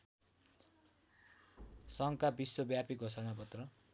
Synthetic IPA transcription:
sʌŋkabiswʌbjapiɡʱosʰʌnapʌt̪rʌ

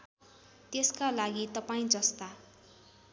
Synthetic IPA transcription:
t̪eskalaɡit̪ʌpaĩd͡zʌst̪a

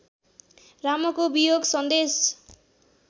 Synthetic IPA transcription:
ramɔkobijoɡsʌnd̪es

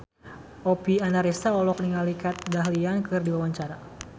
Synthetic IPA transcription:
ʔɔpianaɾist̪aɔlɔk̚niŋalikat̪̚daɦliankɨrdiwawaɲt͡ʃaɾa

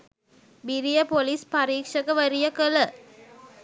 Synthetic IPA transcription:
biɾijɐpolispɐɾiːkʂɐkɐʋɐɾijɐkɐlə

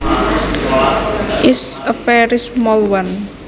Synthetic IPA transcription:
ʔɪsəfɛɾismɔlwan

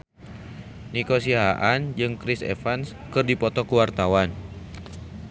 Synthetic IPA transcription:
nikosiɦaʔand͡ʒɨŋkɾɪsḛfans | kɨrdipɔt̪ɔkəwart̪awan

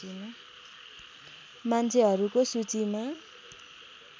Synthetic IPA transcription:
inʌ | mant͡sʰeɦʌɾukosut͡sima

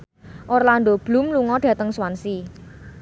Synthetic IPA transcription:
ʔorland̪ob̥lṳmluŋɔɖ̥ä̤t̪əŋswansi

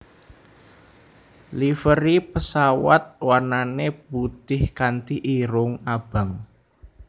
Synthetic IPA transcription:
lifəɾipəsawa̰t̪̚warnanebut̪ɪhkant̪iʔiɾʊŋab̥a̤ŋ

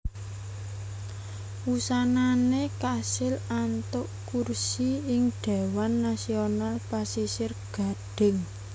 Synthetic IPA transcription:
usananekasɪlant̪ʊʔkursiɪŋɖ̪̥e̤wanːasionalpasisɪrɡ̥a̤ɖ̥ɪ̤ŋ

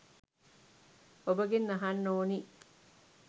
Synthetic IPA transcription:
obɐɡenːɐɦɐnːoːni

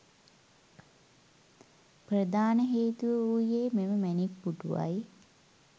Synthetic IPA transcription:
prəd̪aːnəɦeːt̪uʋəujːeːmeməmænipːuʈuʋa̰j

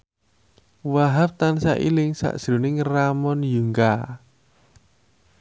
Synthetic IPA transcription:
waɦap̚t̪ansaʔḭlɪŋsa̰ʔʒ̥ɾṳnɪŋramɔnjuŋɡa

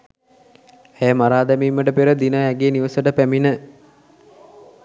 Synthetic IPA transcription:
eːmaɾaːd̪æmiːmːəʈəpeɾəd̪inəɦæɡeːniʋəsəʈəpæminə

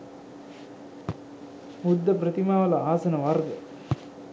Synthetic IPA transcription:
mud̪ːɐpɾɐt̪imaːʋɐlɐaːsɐnɐʋɐɾd̪ɐ

